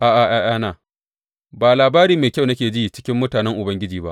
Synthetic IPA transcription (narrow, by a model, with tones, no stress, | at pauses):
ʔaː˨ʔa˨ʔaː˦˨jaː˦naː˨ | baː˨laː˨baː˦ɾiː˦meː˨kʲɐ˦˨wnɐ˦kʲeː˨d͡ʒiː˦t͡ʃɪ̥˦kʲɪ˦mːʊ˦taː˨nɛ˦ŋʔʊ˨bɐ˦ŋɡʲɪ˦d͡ʒiː˨ba̰˦ʔ